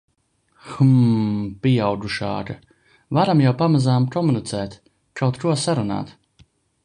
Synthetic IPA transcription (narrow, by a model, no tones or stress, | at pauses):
xmpʲijawd̪uʃa̰ːka | vaɾamjawpamazaːmpɾɔmɔnit̪sɛːt̪ | kawt̪kuɔsaɾuna̰ːt̪